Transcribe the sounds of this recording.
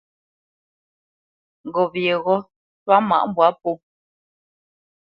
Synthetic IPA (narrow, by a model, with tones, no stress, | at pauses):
ŋ˨ɡɔ˨βje˨ɣɔ˦ | pa˦ma̰˦˨ʔm˦bwa˨˦pu˦